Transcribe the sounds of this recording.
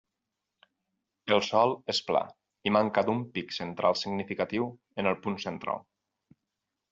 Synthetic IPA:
elˠsɔlˠespla̰ | imaŋkad̪umpiksent̪ɾʔa̰lˠsiɡnifikat̪iw | enəlˠpunsent̪ɾa̰lˠ

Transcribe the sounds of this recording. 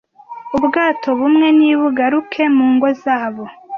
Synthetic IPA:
ubɡaːtʰo̞βumŋe̞niːβuɡaɾukʰe̞muːŋɡo̞zaːβo̞

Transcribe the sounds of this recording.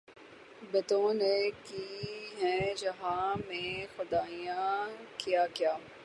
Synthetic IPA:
bɐt̪õnekiːɦɛ̃d͡ʒɐɦãmẽxʊd̪aːijãkijaːkjaː

